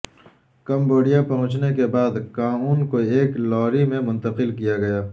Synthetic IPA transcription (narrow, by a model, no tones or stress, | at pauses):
kɐmboːɖijapɐɦʊ̃t͡ʃnekebaːd̪kaːnuːnkoeːklɔːɾimẽmʊ̃nt̪ɐqɪlkijaɡɐjaː